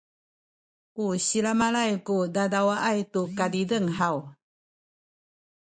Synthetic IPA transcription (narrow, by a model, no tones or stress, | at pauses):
kuɕilamalajkudadawaʔajtukadidəŋhaw